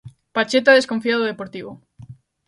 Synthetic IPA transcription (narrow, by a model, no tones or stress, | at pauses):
pat͡ʃet̪̬aðeskoɱfiaðoðepoɾt̪iβo